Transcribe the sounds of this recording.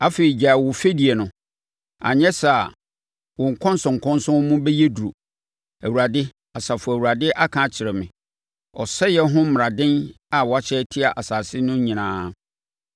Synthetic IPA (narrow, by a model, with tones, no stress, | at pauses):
a˦fe˨i˨d͡ʑa˨wʊ˨fe˦di˨e˨nʊ̃˨ | a̰˨ɲɛ̃˦sa˨ | wɔ̃˨ŋ̩˨kʰɔ̃˦n˦sʊ̃˨ŋ˨kʰɔ̃˦nsʊ̃˦mũ˦bɛ˦je˦du˨ɾo˨ | æ˨wu˨ɾa˨dɪ˦ | a˨sa˨fʊ˨æ˨wu˨ɾa˨dɪ˦ʔa˦kʰã˦t͡ɕʰɪ˨ɾɛ˨mɪ̃˨ | ɔ˨sɛ˦jɛ˦ɦʊ̃˦m˨a˨dɪ̃˦n | a˨wɔ˨a˦t͡ɕʰɛː˦tʰi˦a˨ʔa˨saː˨sɪ˦nʊ̃˦ɲĩ˨nãː˦